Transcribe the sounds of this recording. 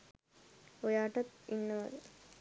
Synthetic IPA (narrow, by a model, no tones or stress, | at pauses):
ojaːʈɐt̪inːəʋɐd̪ə